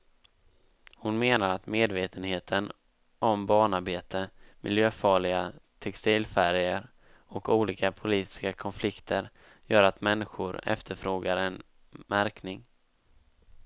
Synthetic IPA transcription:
hʊnmeːnaɾat̪meːd̪veːt̪ʰənheːt̪ʰən | ʔɔmbɑːɳaɾbeːt̪əmɪ̰ljøːfɑːɭɪɡat̪ʰɛkst̪iːlfæɾjəɾ | ɔkuːliːkapʰʊliːt̪ɪ̥skakʰɔnflɪkt̪ʰəɾ | jœːɾat̪mɛnːɪɧʊɾɛ̰ft̪ʰəɾfɾoːɡaɾɛn | mæɾknɪŋ

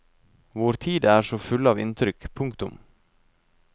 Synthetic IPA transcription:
ʋʊɾt̪ʰiːd̪əæːɾʂoːfʉlɑːʋɪ̰nt̪ʰɾʏkpʰʊŋkt̪ʊm

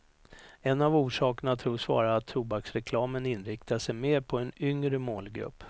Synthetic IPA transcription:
ɛnːavuːʂɑːkɳat̪ʰɾuːʂvɑ̰ːɾaːt̪ʰːɾuːbaksɾɛkʰlɑːmənɪnɾɪkt̪ʰaʂɛjmeːɾpʰɔɛnʏŋɾəmoːlɡɾɵ̰pː

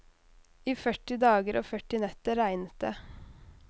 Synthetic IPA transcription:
iːfœʈɪd̪ɑːɡəɾʔoːfœʈɪnɛt̪əɾæɪnət̪ə

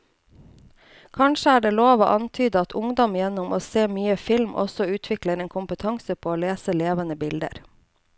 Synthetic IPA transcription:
kʰɑnʃəæːɖeːloːʋo̰ːʔɑnt̪ʰyːd̪əɑt̪ʰʊŋd̪ɔmɪjɛnʊmʔoːseːmyːəfɪlmʔɔ̰sɔʉːt̪ʰʋɪkləɾeːnkʰʊmpət̪ʰɑŋsəpʰoːoːleːsəleːʋənəbɪld̪ə̰ɾ

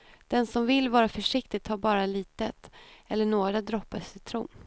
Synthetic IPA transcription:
d̪̥ɛnsɔmvɪlːvɑːɾafœʂɪk̚t̪ɪɡ̚t̪haːɾbɑːɾaliːt̪ət̪ɛlːəɳoːɡɾad̪ɾɔpːasʏmt̪ʰɾṵːm

